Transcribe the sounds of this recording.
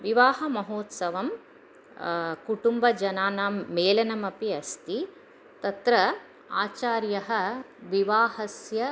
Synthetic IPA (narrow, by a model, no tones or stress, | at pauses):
ʋiʋaːɦɐmɐɦoːt̪sɐʋɐm | kuʈumbɐd͡ʒɐnaːnaːmːeːlɐnɐmɐpiɐst̪i | t̪ɐt̪ɾɐ | a̰ːt͡ʃaːɾjɐɦɐ̆ | ʋiʋaːɦɐsjɐ